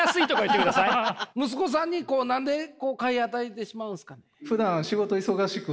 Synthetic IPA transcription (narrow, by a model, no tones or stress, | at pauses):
jasɨit̪o̞kajɯ̟t̪ːekɯd̪asaimɯ̟s̬ɨ̥ko̞s̬ãɲ̟ːiko̞ːnãnd̪e̞ko̞ːkaiat̪ait̪e̞ɕimaɯ̟̃nsɨ̥kane̞ɸɯ̟d̪ãɰ̃ɕiɡo̞t̪o̞iso̞ɡaɕikɯ